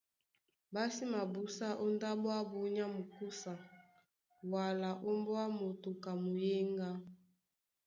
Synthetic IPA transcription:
ba˦si˦ma˨bu˦sa˦ʔo˦nda˦bɔ˦a˦bu˦ɲa˦mo˨ku˦sa˨ | wa˨la˨ʔo˦mbɔ˦a˦mo˨to˨ka˨mo˨je˦ŋɡa˦

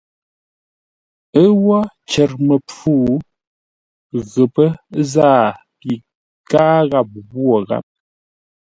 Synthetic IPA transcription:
ə˦wɔ˦ | t͡ʃɛ˨ɾmə˨p͡fuː˦˨ | ɣə˨pə˦zaː˦˨ | pi˨ | kaː˦ɣa˦˨p̚ɣwo˦˨ɣa̰˦p̚

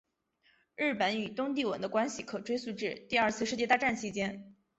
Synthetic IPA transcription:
ɻɻ̩˥˩pə˧˥ny˨˩t̪ʊ˥ŋt̪̬i˥˩wə˧˥nd̪ə˧kwa˥nɕi˨kʰɤ˨˩ʈ͡ʂwe˥ɪsu˥˧ʈ͡ʂɻ̩˥˩t̪i˥˧ɐ˞˥˧t͡sʰɹ̩˥˧ʂɻ̩˥˧t͡ɕjɛ˥˧t̪a˥˧ʈ͡ʂa˥˩nt͡ɕʰi˧˥t͡ɕjɛ˥n

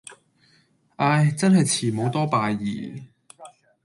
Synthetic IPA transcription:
ʔaː˧jt͡sɐ˥nhɐ˨jt͡sʰiː˨˩mo˨˧wt̪ɔː˥paː˨˧jːḭː˨˩

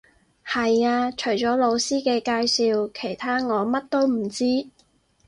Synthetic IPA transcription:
hɐ˨jaː˧t͡ʃʰɵ˨˩jt͡ʃɔː˨˥lo˨˧wsiː˥kɛː˧kaː˧jsiː˧wkʰe˨˩jt̪ʰaː˥ŋɔː˨˧mɐ˥t̚t̪o˥wm̩˨˩t͡siː˥

